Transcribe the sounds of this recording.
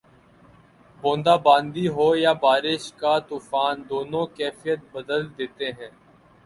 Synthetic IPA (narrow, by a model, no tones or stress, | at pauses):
bõːnd̪aːbãːnd̪iːɦoːjaːbaːɾɪʃkaːt̪uːfaːnd̪oːnõkɛːfɪjət̪̚bəd̪əld̪eːt̪eɦɛ̃ː